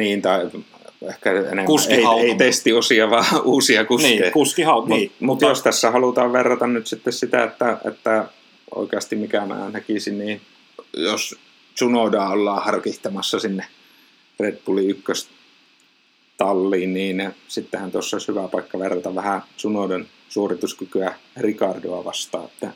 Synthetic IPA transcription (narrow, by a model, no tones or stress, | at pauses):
niːnt̪ɑi | ehkæḛnemkuseieˑt̪est̪iosiɑʋɑːuːsiɑkukːikuskihɑt̪mmut̪jjost̪æsːæhɑlut̪ɑːʋʋerːɑt̪ɑnnyt̪sit̪ːessit̪æ̰et̪ːæḛt̪ːæ | o̰ikeɑst̪imikæmæ̰ːnækisinniː | jos | sunodɑːolːɑːhɑrkiht̪ɑmɑsːɑsinːe | ret̪puliykːøs | t̪ɑlːiːnniːnsit̪ːehænt̪uosːɑishyʋæpɑikːɑʋerːɑt̪ɑʋʋæhæsunoˑdon | suorit̪uskykyærikɑrdoɑʋɑ̰st̪ɑ̰ːet̪ːæ